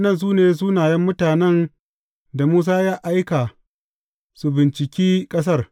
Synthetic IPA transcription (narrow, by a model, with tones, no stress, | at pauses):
nɐ˦˨ns̬uː˦neː˨s̬uː˦naː˨jɛ˦mːʊ˦taː˨nɛ˦n | da˨muː˦s̬aː˦jaː˦ʔa˦jkaː˨ | su˨bɪ˨nt͡ʃɪ˨kʲiː˦kʼɐ˦s̬ɐ˦r